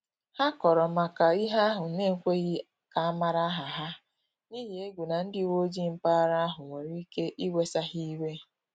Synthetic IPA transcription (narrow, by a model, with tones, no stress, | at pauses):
ha˦kɔ˨ɾɔ˨ma˨ka˨i˦ɦa˦ɦʊ˨˦ne˦ŋ̩˦˨kʷe˦ɣɪ˦ | ka˨a˦ma˦ɾa˦ɦa˨ɦa˦ | ni˦ɦi˨e˦ɡʷu˨na˨n̩˦dɪ˨wo˦d͡ʒi˦m̩˦pa˦ɾa˦ɦʊ˨ŋʷe˨ɾi˦ke˦ʔi˦ɡʷe˦sa˦ɦi˦we˦